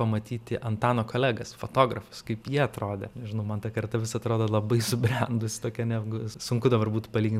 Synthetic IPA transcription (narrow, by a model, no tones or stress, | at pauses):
ɐmɐt̪ʲiːt̪ʲɪʔɐnt̪ɑːnoːkoːlʲæːɡɐsfoːt̪oːɡɾɐfʊ̥skɐɪpjiɛɐt̪ɾoːd̪ʲɛ̰nʲɛʒʲɪnɐʊmɐnt̪ɐkɐrt̪ɐʋʲɪsɐt̪ɾoːd̪ɐlˠɐbɐɪsʊbʲɾʲɛnd̪ʊsʲɪ̥t̪oːkʲɛnʲɛɡʊsʊŋkʊd̪ɐbɐrbuːt̪ʊpɐlʲiːɡʲɪn